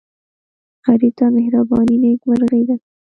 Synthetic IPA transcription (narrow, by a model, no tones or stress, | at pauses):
aɾit̪ɑmɪhɾabɑninekmaɾɣed̪a